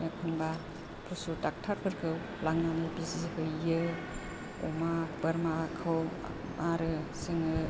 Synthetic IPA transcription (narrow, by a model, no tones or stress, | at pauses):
jakʰɯnba | pʰusutak̚tʰaɾpʰɯɾkʰɯw | laŋnanɯbizihɯjːɯ | ɔ̰mab̥ɐɾmakʰɯw̰ | mʔaɾɯsɯŋɯ